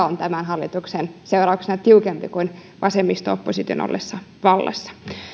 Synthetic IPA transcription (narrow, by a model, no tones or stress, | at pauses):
ont̪æmænɦɑlːit̪uksenseuɾɑuksenɑt̪iukempikun | ʋʔɑsemːist̪oopːosit̪io̰no̰lːʔesːɑʋɑlːḛsːɑ̥